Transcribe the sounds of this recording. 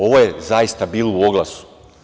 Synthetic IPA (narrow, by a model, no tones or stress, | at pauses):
o̞ʋojezajist̪abiːlˠouo̞ɡlˠasu̥